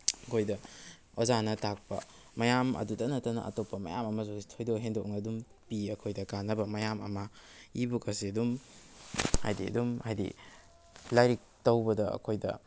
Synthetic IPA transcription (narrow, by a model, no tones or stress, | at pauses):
ɐkʰojdɐ | ozanɐtak̚pɐ̰ | mɐjamɐ̰dudɐnɐtɐnɐ̰ʔɐ̰topːɐmɐ̰ja̰mɐmɐzositʰojdoɦendoknɐdum | piɐkʰojdɐkanːɐbɐmɐjamɐ̰mɐibukɐsidum | ha̰jdiɐ̰dumhajdḭ | lajɾik̚tɐwbɐdɐɐ̰kʰojdɐ̰